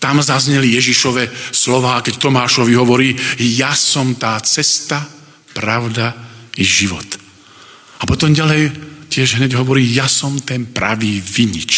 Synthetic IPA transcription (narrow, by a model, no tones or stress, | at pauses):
t̪amzazɲɛlijɛʒiʃɔʋɛslɔʋaːkɛct̪ɔmaːʃɔʋiɦɔʋɔɾiːjasɔmt̪aːt͡sɛst̪a | pɾaʊd̪aiʒiʋɔ̰t̪ | apɔt̪ɔmɟalɛjcɪɛʒɦɲɛɟɦɔʋɔɾiːjasɔmt̪ɛnpɾa̰ʋiːʋiɲḭt͡ʃ